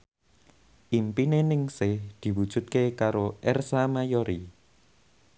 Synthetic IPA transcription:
ʔimpinenɪŋsɪhd̪̥i̤wud̥ʒ̥ṳt̪̚kekaɾoʔɛrsamajoɾi

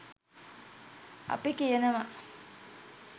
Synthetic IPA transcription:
a̰pikijənəʋa

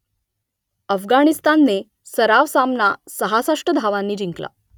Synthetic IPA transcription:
əfɡañist̪anːe | səɾaʋsamnasəɦasaʂʈəd̪ʱaʋãnːiːd͡ʑiŋkla̰

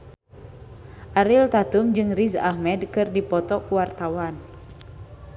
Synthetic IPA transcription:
ʔaɾilt̪at̪umd͡ʒɨŋriza̰hmɛdkɨrdipɔt̪ɔkuwart̪awan

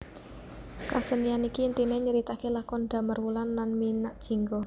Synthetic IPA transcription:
kasənijanikint̪ineɲəɾit̪akelakɔnɖ̪̥a̤mərwulanːanminaʔd̥ʒ̥i̤ŋɡɔ

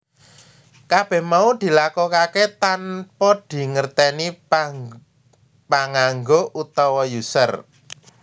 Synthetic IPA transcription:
kab̥ɛ̤hmaud̪̥i̤lakɔkaket̪anpɔd̪̥i̤ŋərt̪ɛni | paŋaŋɡoʔut̪ɔwɔjusə̰r

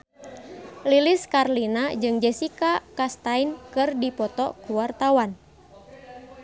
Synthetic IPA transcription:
liliskarlinad͡ʒɨŋd͡ʒɛsikakast̪ainkɨrdipɔt̪ɔkuwart̪awan

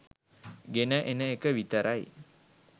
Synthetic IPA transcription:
ɡenəʔenəekəʋit̪əɾaj

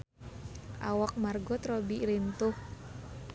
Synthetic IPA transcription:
ʔa̰wak̚marɡɔt̪ɾɔbilint̪ʊh

